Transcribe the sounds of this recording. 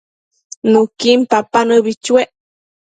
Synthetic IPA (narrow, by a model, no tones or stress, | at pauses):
nukimpapanəbit͡ʃweʔ